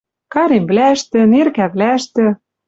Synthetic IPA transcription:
kɑɾemblæə̆ʃt̪ɘ̆nerkæβlæʃt̪ɘ̆

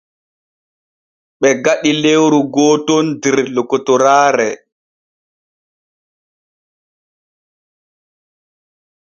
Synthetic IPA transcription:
ɓɛɡaɗilewɾuɡɔːtɔndɛɾlɔkɔtɔɾaːɾɛ

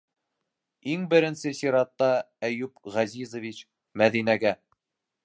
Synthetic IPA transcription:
iŋbɘ̆ɾɘ̆nsɘsiɾɑt̪ːɑ | æjʉpʁɑzizŏvʲit͡ɕ | mæðinæɡæ

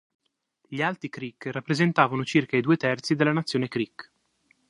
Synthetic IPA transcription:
ʎialt̪ɾikɾikːrapːɾezent̪aːvanot͡ʃirkaid̪uːet̪ɛrt̪sid̪elːanat̪sːjoːnekɾik

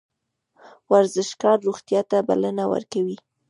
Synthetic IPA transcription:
waɾzɪʃkɑɾːoɣt̪jɑt̪aba̰lanawə̰ɾkawi

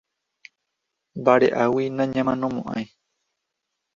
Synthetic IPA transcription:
baɾeʔawinãɲãmãnõmõʔã̰j̃

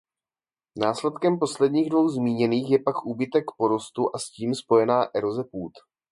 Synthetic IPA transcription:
naːslɛt̪kɛmpo̞slɛdɲiːɣdvo̞wzmiːɲɛniːxjɛpakʔuːbɪt̪ɛkpo̞ɾo̞st̪uʔasciːmspo̞jɛnaːʔɛɾozɛpuːt̪

